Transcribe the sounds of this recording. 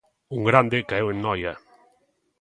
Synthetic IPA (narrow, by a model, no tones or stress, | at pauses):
uŋɡɾand̪ɪkaewennɔjɐ